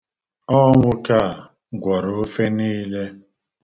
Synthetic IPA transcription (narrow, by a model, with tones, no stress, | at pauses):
ɔ˦ŋʷʊ˦ka˦˨ | ɡʷɔ˨ɾo˨o˦fe˦niː˦le˦